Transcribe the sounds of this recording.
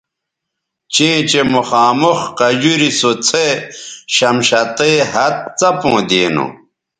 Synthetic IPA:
t͡ɕẽːt͡ɕemuxaːmoxqɐd͡ʑuɾisot͡sʰeɕɐmɕɐt̪eɦɐt̪̚t͡sɐpõːd̪eːnṵ

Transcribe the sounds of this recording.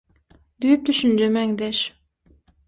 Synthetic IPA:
d̪yjyp̚t̪ʰyʃynd͡ʒɛmɛŋd̪ɛʃ

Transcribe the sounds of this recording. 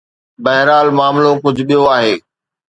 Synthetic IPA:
bɐɦɪɾaːlmaːmlokʊd͡ʑʱʊɓijoaːɦeː

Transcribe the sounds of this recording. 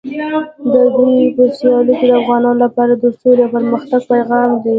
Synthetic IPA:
d̪əd̪ujpəsjɑluked̪əafɣɑnɑnolapɑɾad̪əsolapəɾməxt̪aɡ̚pajɣɑmd̪i

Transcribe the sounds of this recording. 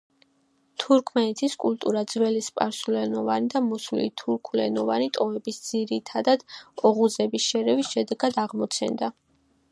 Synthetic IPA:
t̪ʰuɾkʰmɛnɛt̪ʰiskʼult̪ʼuɾad̪zvɛlispʼa̰ɾsulɛnɔvanid̪amɔsulḭt̪ʰuɾkʰulɛnɔvanit̪ʼɔɛbisd̪z̥iɾit̪ʰad̪ad̪̥ɔʁuzɛbisʃɛɾɛvisʃɛd̪ɛɡad̪aʁmɔt̪sʰɛ̰nd̪a

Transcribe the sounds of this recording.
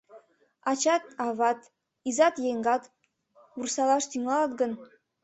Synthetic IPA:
ɑt͡ɕɑt̪̚ɑβɑt̪ | izɑt̪jeŋɡɑt̪ | ursɑlɑʃt̪yŋɑlɑt̪ɡən

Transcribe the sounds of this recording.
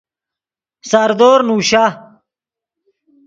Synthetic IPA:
saɾd̪oːɾnuːɕa

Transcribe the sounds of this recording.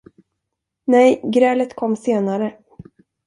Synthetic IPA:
nɛjɡɾɛːlət̪kʰɔmːseːnaɾə

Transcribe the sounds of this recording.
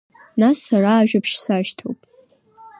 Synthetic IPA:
nasːaraːʒᶣapʰʂsaʃtʰo̰wpʼ

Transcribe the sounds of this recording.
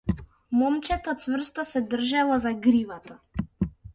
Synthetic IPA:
mɔmt͡ʃɛt̪ɔt̪svr̩st̪ɔsɛd̪r̩ʒalˠɔzaɡɾivat̪a

